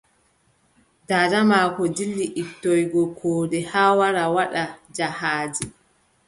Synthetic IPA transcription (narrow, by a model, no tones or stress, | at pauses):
daːdamaːkɔdilːiʔitːɔjɡɔkʰɔːdɛhaːwaɾawaɗad͡ʒahaːd͡ʒi